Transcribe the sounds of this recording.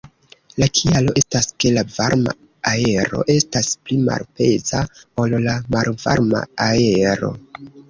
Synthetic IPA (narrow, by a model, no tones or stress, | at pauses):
lakʰialo̞ʔe̞staske̞lavaɾma̰ | ae̞ɾo̞̰ʔe̞stasplima̰lpe̞zao̞llamalva̰ɾma̰ae̞ɾo̞̰